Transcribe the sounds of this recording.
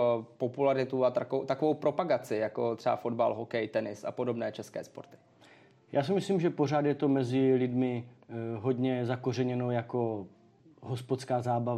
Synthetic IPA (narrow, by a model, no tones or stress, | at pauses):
populaɾɪt̪uat̪akt̪akovowpɾo̞paɡat͡sɪjako̞t̪r̥ɛba̰fodba̰lɦokɛjt̪ɛnɪsa̰po̞do̞bnɛːt͡ʃɛskɛ̰ːspoɾt̪ɪ̥ | jʔa̰ːsɪmɪsliːmʒɛpo̞ɾ̝aːd̪jɛt̪o̞mɛzɪlɪdmɪɦo̞d̪ɲɛzakorɛɲɛnojako | ɦospot͡skaːzaːbav